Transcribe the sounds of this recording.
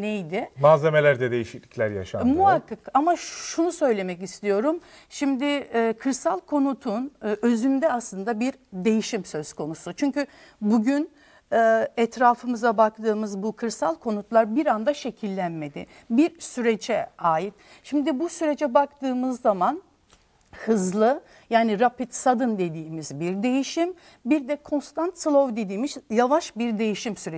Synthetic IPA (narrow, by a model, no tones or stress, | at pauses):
nejd̪ɪmaːze̞me̞lʲæɾd̪ɛd̪ejiʃiclʲiclʲæɾja̰ʃa̰muɦakʰːakamaʃʃunusø̞jlʲe̞mɛcist̪ijo̞ɾum | ʃimd̪ɪkʰɯɾsalˠkʰo̞nut̪ʰunø̞zynd̪ɛaslˠɯnd̪abiɾ | d̪e̞jiʃimsøzko̞nusut͡ʃʰyɲcy | buɟyn | ɛːɛt̪ɾaːfɯmɯzabakt̪ʰɯːmɯzbukʰɯɾsalˠkʰo̞nut̪lˠaɾbiɾand̪aʃe̞cʰilʲːænme̞d̪ɪ̰ | biɾsyɾed͡ʒɛaːjit̪ | ʃimd̪ibusyɾe̞d͡ʒɛbakt̪ʰɯːmɯzːaman | hɯzlˠɯ | jaːniɾapit̪sad̪ɯnd̪e̞d̪iːmizbiɾd̪e̞jiʃim | biɾd̪ɛkʰo̞nst̪ant̪slˠovd̪e̞d̪iːmiʃjavaʃbiɾd̪e̞jiʃimsyɾe